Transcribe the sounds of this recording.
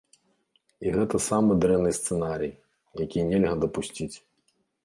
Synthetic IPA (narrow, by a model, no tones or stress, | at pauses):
iɣɛt̪ɐsamɨd̪ɾɛnːɨjst̪sɛnaɾʲij | jɐkʲijnʲɛlʲɣɐd̪ɐpusʲt͡sʲit͡sʲ